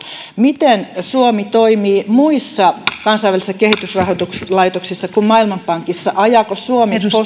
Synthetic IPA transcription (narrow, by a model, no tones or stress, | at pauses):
mit̪ensuomit̪oimiːmuisːɑkɑnsɑijʋælisesɑkehit̪ysrɑhot̪ukslɑit̪oksisːɑkummɑilmɑmpɑŋkisːɑʔɑjɑːkosuomipo